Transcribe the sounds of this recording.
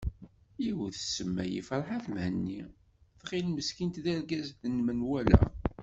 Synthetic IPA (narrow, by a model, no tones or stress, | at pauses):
iwθsəmːæ̰jḭfɾˤħaθmhənːi | θʁɪlməskint̪ðæɾɡæzθənːmənwælæ̰